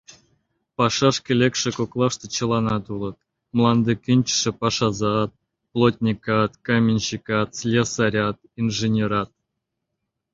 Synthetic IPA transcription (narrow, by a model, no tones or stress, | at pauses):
pɑʂɑʂkʲĕlʲekʂɘ̆koklˠɑʂt̪ɤ̆t͡ɕɤ̆lˠɑnɑt̪ulˠɤ̆t̪̚ | mlˠɑnd̪ɤkʲinʲt͡ɕʂɘ̆pɑʂɑzɑt̪̚ | plˠotʲnʲikɑt̪komʲinʲɕikɑt̪slʲesaɾʲɑt̪ | inʐenʲeɾɑt̪̚